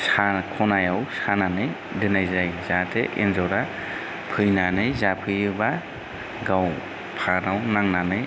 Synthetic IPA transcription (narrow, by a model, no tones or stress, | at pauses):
sakʰɔnajawsananɯj | dɯnajzajzatʰeʔḛnzɔɾa | pʰɯjnanɯjzapʰɯjɯba | ɡaw | pʰanawnaŋnanɯj